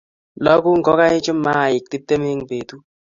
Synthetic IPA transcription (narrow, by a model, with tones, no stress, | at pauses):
lɔ˦ku˦ŋ̩˨kɔ˦ka˦ɪ˦t͡ʃʊ˦mːa˦a˨ɪ˨k̚ti˦p̚te˦me˦ŋ˨be˨tu˦